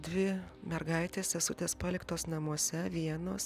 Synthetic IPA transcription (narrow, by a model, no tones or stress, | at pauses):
d̪ʲʋʲɪmʲɛɾɡɐɪt̪ʲeːsʲɛsʊt̪ʲeːspɑːlʲɪkt̪oːsnɐmuɔsʲɛʋʲiɛnoːs